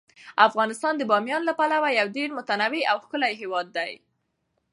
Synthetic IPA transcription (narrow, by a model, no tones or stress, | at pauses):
afɣɑnɪst̪ɑnd̪əbɑmjɑnlapalawajawɖeɽmʊt̪anawiawxkəlajɦewɑd̪ːaj